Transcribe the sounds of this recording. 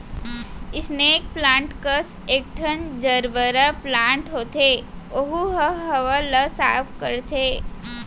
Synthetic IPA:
ɪsneeːk̚plãːɳʈkəs | eːk̚ʈʰənd͡ʒəɾbəɾaplãːɳʈɦoːt̪eoɦuɦəɦəʋaləsaːpkəɾt̪eː

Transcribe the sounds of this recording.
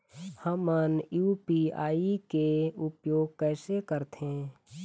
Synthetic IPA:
həmənjuːpia̰ːikeʊpjoːɡ̚kɛːsekəɾt̪ẽː

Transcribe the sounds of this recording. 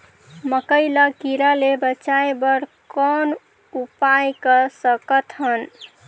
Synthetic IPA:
məkəjlakiɾalebət͡ʃaebəɾkɔn | upajkəsəkət̪ɦən

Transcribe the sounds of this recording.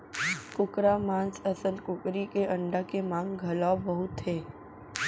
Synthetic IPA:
kʊkɾamãːnsəsənkʊkɾikeʔə̃ɳɖakemãːŋɡɡʱɐlaːbəɦʊt̪ʰːeː

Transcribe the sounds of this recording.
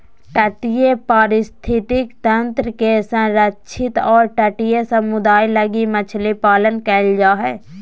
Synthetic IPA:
ʈəʈijepaːɾɪst̪ʰɪt̪ɪkt̪ə̃nt̪ɾəkesə̃ɾətt͡ʃʰɪt̪ɔːɾʈəʈijesəmʊd̪aːjləɡimət͡ʃʰlipaːlənkɛːld͡ʒaːɦɛː

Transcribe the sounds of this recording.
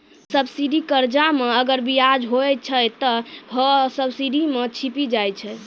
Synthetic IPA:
səbsiɖikəɾd͡ʒameəɡəɾbijad͡ʒɦoɛt͡ʃʰəjt̪əɦəsəbsiɖimet͡ʃʰipid͡ʒajt͡ʃʰɛj

